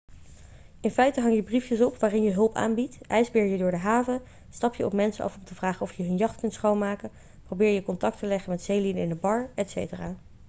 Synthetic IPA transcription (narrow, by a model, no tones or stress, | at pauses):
ɪnfɛjtəɦɑŋjəbrifjəsɔpʋaːrɪnjəɦɵlˠpa̰ːnbitʔɛjzbɪːɹjədʊːɹdəɦaːvə | stɑpʰjəɔ̰pmɛnsənʔɑ̰fɔmtəvraːχənɔfjəɦɵnjɑχtənsχownmaːkə | probɪːɹjəkɔntɑk̚təlɛχənmɛtsejlidəɪnəd̚bɑɹɛtsḛjtəraː